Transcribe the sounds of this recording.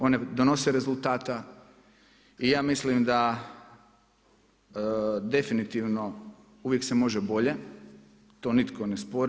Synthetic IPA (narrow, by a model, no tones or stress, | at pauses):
o̞ne̞d̪onoseɾe̞zulˠt̪aːt̪a | ijaːmislimd̪a | d̪e̞finit̪iʋno̞ | uʋje̞ksemo̞ʒebo̞ʎe | t̪o̞ːnit̪ko̞nespo̞ɾ